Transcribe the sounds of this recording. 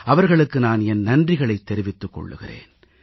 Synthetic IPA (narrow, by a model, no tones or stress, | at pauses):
ɐʋɐɾɣɐɭɯkːɯnaːnɛnːɐndrɪɣɐɭɐɪt̪ːɛɾɪʋɪt̪ːɯkːɔ̰ɭːɯ̰ɣɪ̰rḛːn